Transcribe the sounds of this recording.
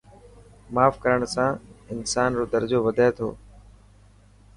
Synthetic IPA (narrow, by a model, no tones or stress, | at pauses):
maːfkəɾəɳ̃sãːɪnsaːnɾoːd̪əɾd͡ʒoːʋəd̪ʱaːet̪ʰo̰ː